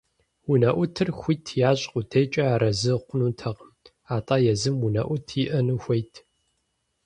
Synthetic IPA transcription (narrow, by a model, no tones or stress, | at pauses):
wunɐʔʷʊtʰɨrxʷʊtʰjaːɕʼqʷʼʊtʰejt͡ʃʼɐaːɾɐzɨqʷʊnuːtʰɐʁm | aːtʼaːjɛzɨmwunɐ̰ʔʷʊtʰiʔɐnuxʷɐjtʰ